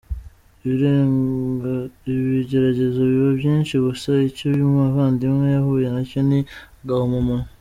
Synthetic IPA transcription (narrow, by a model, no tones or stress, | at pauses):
βiɟe̞ɾaɟe̞zoβiβobjiːnʃiɡusaicoβjumŋaβaːndimŋejaɦuje̞naconi | ɡahomumono